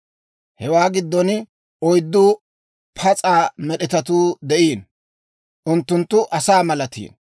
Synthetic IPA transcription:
hɛwaːɡɪd̪ːɔn | ɔjd̪ːʊ | pʰɐt͡sʼaːmɛɗɪt̪ɐt̪uːd̪ɛʔiːn | ʔʊnt̪ːʊnt̪ːʊʔɐsaːmɐlɐt̪ḭːn

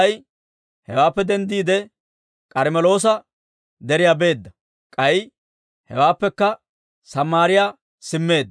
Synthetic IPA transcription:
j | hɛwaːpːɛd̪ɛnd̪iːd̪ɛ | kʼɐɾmɛlo̞ːs̬ɐ | d̪ɛɾɪjaːbe̞ːd̪ːɐ | kʼɐj | hɛ̰waːpːɛkːɐ | sɐmːaːɾɪja | sɪmːe̞ːd̪ː

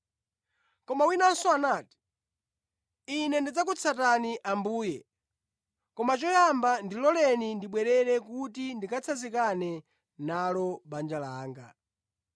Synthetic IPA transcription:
kɔmawinansɔanaːti̥ | inɛndid͡zak̬ut͡sʰataniʔambuːjɛ | kɔmat͡ʃɔjambandilɔlɛnindiɓwɛɾɛɾɛkutindikʰat͡sʰazikanɛ | nalɔɓand͡ʒalaːŋɡa

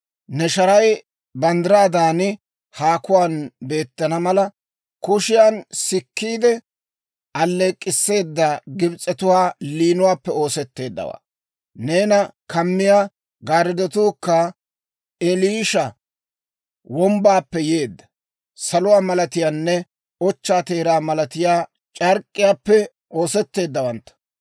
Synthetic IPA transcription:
nɛʃɐɾɐj | bɐnd̪ɾaːd̪aːnɪ | haːkʊwaːnbe̞ːt̪ːɐnɐmɐlɐ | kʊʃɪjaːnsɪkːiːd̪ɛ | ʔɐlːeːkʼːɪsːe̞ːd̪ːɐɡɪbt͡sʼːɛt̪ʊwaːliːnʊwaːpːɛo̞ːsɛt̪ːe̞ːd̪ːɐ̰wa̰ː | ne̞ːnɐkɐmːɪjaː | ɡaːɾɪd̪ɛt̪uːkːɐ | ɛliʃɐ | wɔmbaːpːɛje̞ːd̪ːɐ̥ | sɐlʊwaːmɐlɐt̪ɪjaːnːɛ | ɔt͡ʃːaːt̪e̞ːɾaːmɐlɐt̪ɪjaː | t͡ʃʼɐɾkʼːɪjaːpːɛ | ʔo̞ːsɛt̪ːe̞ːd̪ːɐwɐnt̪ːɐ̥

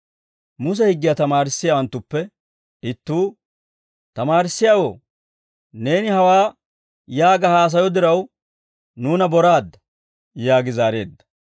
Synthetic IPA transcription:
mʊs̬ɛhɪɡːɪjaːt̪ɐmaːɾɪsːɪjaːwɐnt̪ːʊpːɛ | ɪt̪ːuː | t̪ɐmaːɾɪsːɪjaːwoː | ne̞ːnɪhɐwaː | jaːɡɐhaːs̬ɐjɔd̪ɪɾɐw | nuːnɐbɔɾaːd̪ːɐ | jaːɡɪzaːɾe̞̰ːd̪ːɐ̥

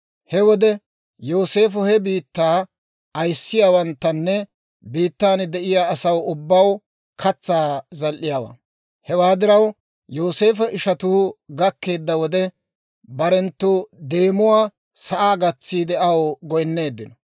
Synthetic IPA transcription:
hɛwɔd̪ɛ | jo̞ːse̞ːfɔhɛbiːt̪ːaː | ɐjsːɪjaːwɐnt̪ːɐnːɛ | biːt̪ːaːnd̪ɛʔɪjaːsɐwʊbːɐw | kʰɐt͡sːaːzɐlʔːɪjaːwa̰ː | hɛwaːd̪ɪɾɐw | jo̞ːse̞ːfɛʔɪʃɐt̪uːɡɐkːe̞ːd̪ːɐwɔd̪ɛ | bɐɾɛnt̪ːʊd̪e̞ːmʊwaː | sɐʔaːɡɐt͡sːiːd̪ɛɐwɡɔjnːe̞ːd̪ːɪnɔ

